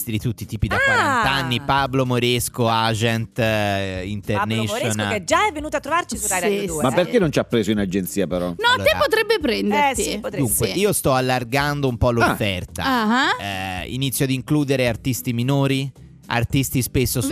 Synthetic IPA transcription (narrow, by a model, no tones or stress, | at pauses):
t̪id̪it̪ut̪ːit̪iːpid̪akwaant̪aanːipablomoɾeskoad͡ʒɛnt̪ | int̪ernɛʃɾonalɛd͡ʒaɛvːenuːt̪oat̪ːɾovaɾt͡ʃisuaɾd̪mapːerkenːont͡ʃiapːɾeːzoinad͡ʒent̪siːapeɾɔnɔloeɾapːot̪ɾɛbːepɾɛnd̪eɾipod̪uŋkweʔiːost̪ɔalːarɡand̪oumpɔlːofːɛrt̪a̰aḭnit̪sːjoad̪iŋkluːd̪eɾeart̪ist̪iminoːɾi | a̰rt̪ist̪ispesːos